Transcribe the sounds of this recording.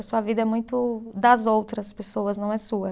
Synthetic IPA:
suɐvid̪ɐɛmũj̃t̪ʊd̪ɐzowt̪ɾɐspesoɐznɐ̃w̃ɛsuɐ

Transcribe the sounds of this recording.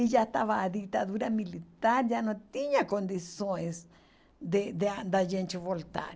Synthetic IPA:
ijat̪aβad̪ik̚t̪aðuɾamĩlit̪aɾjanõt̪iɲãkond̪isones | d̪ed̪eand̪ajent͡ʃuβolt̪a̰ɾ

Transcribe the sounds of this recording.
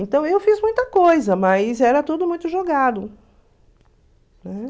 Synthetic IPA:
ẽnt̪ɐ̃w̃ewfizmũj̃t̪ɐkojzɐmɐjzɛɾɐt̪ud̪ʊmũj̃t̪ʊʒoɡad̪ʊ | nɛ

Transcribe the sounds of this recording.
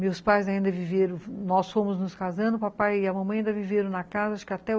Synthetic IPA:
mewspajzaĩnd̪ɐviveɾɐ̃w̃nɔsfõmʊznʊskazɐ̃nd̪ʊpapajɪɐmɐ̃mɐ̃jĩnd̪ɐviveɾɐ̃w̃nɐkazɐaʃʊ̥kɪat̪ɛ

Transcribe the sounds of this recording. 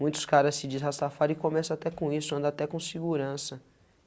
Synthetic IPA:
mũj̃t̪ʊ̥skaɾɐssɪd͡ʒɪzhasafaɾɪkõmɛsɐat̪ɛkõisʊɐ̃nd̪ɐat̪ɛkõsɪɡuɾɐ̃sɐ

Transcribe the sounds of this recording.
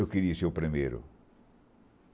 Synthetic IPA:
ewkɨɾiɐseɾupɾimejɾʊ̰

